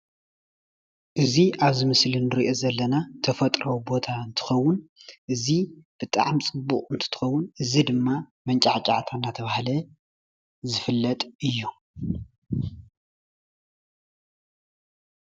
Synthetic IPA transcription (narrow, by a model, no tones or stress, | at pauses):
ʔɨziʔaβzɨmɨslinɨɾiʔo̞zɐlːɐnat̪ʰɐfɐt̪ʼɾɐwubo̞t̪ʰaɨnt̪ʰɨ̥xɐwʊnʔɨzib̥ɨt̪ʼa̰ʕmt͡sʼɨbːukʼɨnt̪ʰɨ̥t̪ʰɨ̥xɐwːʊnʔɨzid̪ɨmːamɐnt͡ʃʼaʕt͡ʃʼaʕt̪ʰanːat̪ʰɐβahlɐ | zɨfɨlːɐt̪ʼɨjːu